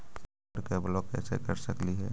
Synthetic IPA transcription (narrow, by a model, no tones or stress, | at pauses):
ɾkeblokɛ̰ːsḛkəɾsəkliɦɛ̰ː